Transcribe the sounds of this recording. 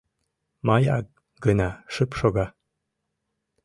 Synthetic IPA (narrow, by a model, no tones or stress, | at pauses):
mɑjɑ̰k̚ | ɡənɑʃəpʃoɣɑ